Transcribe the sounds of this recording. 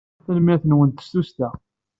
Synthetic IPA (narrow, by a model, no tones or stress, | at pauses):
θəlmæθənwənt̪ːə̥st̪ust̪æ